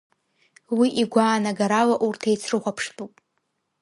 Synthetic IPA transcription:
wiʔiɡʷaːnaɡaɾalaʔurtʰejt͡sʰrɨχʷapʰʂtʼupʼ

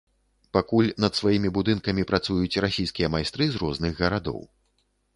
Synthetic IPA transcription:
pakulʲnɐt̪svajimʲibud̪ɨnkɐmʲipɾat̪sujut͡sʲrasʲijskʲijɐmajst̪ɾɨzɾɔznɨɣɣɐɾad̪ɔ̰w

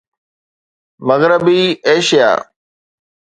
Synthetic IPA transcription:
məɣɾɪbiːeːʃija̰ː

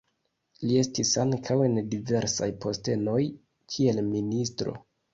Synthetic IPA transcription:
lie̞stisaŋkʰawe̞ndive̞ɾsa̰jpʰo̞ste̞no̞j | kʰie̞lministɾo̞̰

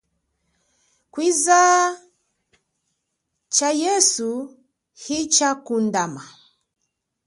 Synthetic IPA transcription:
kwiza | t͡ʃajɛsu | hit͡ʃakundama

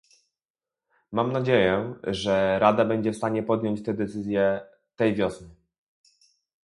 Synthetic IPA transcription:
mamnad͡ʑejɛʐɛɾad̪abɛɲd͡ʑɛfst̪aɲɛpɔd̪ʲjɔɲt͡ɕt̪ɛd̪ɛt̪sɘzʲjɛ | t̪ɛjvʲjɔsnɘ

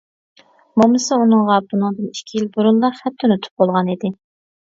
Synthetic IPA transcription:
momɨsɨunɨŋʁɑbunɨŋd̪ɨniʃkʲʰijilbuɾunlˠɑχɛt̪ʰːʊnyt̪ʰu̥p̚bolˠʁɑnid̪ɪ

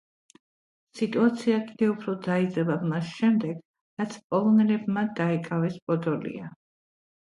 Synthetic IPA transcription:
sit̪ʼuat̪sʰiakʼid̪̥ɛupʰɾɔd̪aid̪zɛbamasʃɛmd̪ɛɡ̥ | ɾat̪sʰpʼɔlˠɔnɛlɛbmad̪aikʼavɛspʼɔd̪ɔlḭa

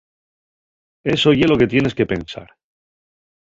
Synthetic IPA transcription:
e̞so̞ʝe̞lo̞ke̞t̪je̞ne̞ske̞pe̞nsa̰ɾ

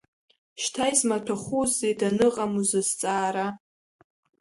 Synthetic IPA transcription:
ʃtʰajzmatʰaχʷuzːejdanɨqʼamuzɨzt͡sʼaːɾa

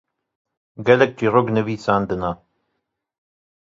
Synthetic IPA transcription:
ɡɛlɛk̚t͡ʃiːroɡnɨviːsaːnd̪ɨna

